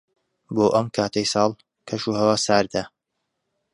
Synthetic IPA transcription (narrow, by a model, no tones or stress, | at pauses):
boːʔɐmkʰaːt̪ʰɐjsɑːlˠ | kʰɐʃuːhɐwaːsaːɾd̪a